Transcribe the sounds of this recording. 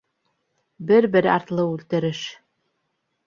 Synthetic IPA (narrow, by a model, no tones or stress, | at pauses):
bɘɾbɘɾɑ̰ɾt̪lˠɤʉlt̪ɘ̆ɾɘʃ